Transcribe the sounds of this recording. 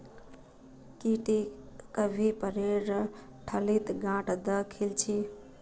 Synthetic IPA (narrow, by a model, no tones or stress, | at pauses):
kiʈikəbʱipəɾeɾə | ʈʰəlit̪ɡãʈʰd̪əkʰilt͡ʃʰi